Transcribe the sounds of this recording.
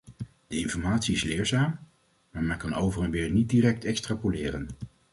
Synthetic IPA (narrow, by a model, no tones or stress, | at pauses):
d̥əɪnfɔɹmaːtsiɪslɪːɹzaːm | maːɹmɛnkɑnowvərɑnʋɪːɹnit̚diːrɛk̚tɛkstrapolɪːrən